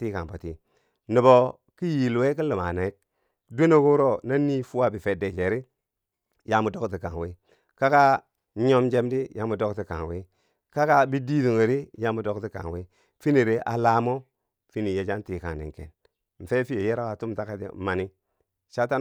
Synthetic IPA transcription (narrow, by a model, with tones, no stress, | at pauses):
ti˦ka˨ŋpo˨ti˦˨ | ni˨bo˨ | ki˦ji˨lwe˦ki˦li˨ma̰˨ne˨i˦k̚ | dʷe˦no˦ku˦ɾo˦na˦ni˦fu˦wa˦bi˨fe˨de˨d͡ʒe˨ɾi˦ | ja˦mu˨do˦kti˨ka̰˨ŋ˨we˦ | ka˦ka˦ | ɲo˦md͡ʒe˦mdi˦ja˦mu˨do˦kti˨ka̰˨ŋwḛ˦ | ka˦ka˦bi˦di˦du˨ŋe˨ɾi˦ja˦mu˨do˦kti˦ka̰˨ŋ˨we˦ | fi˦ni˨ɾi˦ʔa˨la˦mo˦ | fi˦ni˨je˨d͡ʒa˦nti˨ka̰˨ŋdḭ˨ŋkḛ˨n | m̩˨fe˦fi˦je˨je˦ɾa˦wa˨tu˦mta˦ka˦tḭ˨˦ma˨ni˦ | ʃa˦ta˦